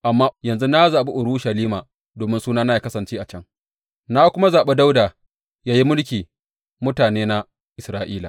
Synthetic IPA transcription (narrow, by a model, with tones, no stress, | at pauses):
ʔa˨mːaː˦jɐ˨nzu˦na˦zaː˨ɓi˦ʔʊ˨ɾu˦ʃa˨liː˦maː˨ | doː˨mɪ˦nsuː˦naː˦na˦ja˦kɐ˦sɐ˨nt͡ʃeː˦ʔa˨t͡ʃɐ˦ŋ | na˦kʷʊ˦ma˦zaː˨ɓe˦da˦wdaː˨ | jaː˦ji˦mʊ˦lk̬ʲiː˨ | mʊ˦taː˨neː˦na˦ | ʔɪ˨sɾaː˦ʔiː˦la˨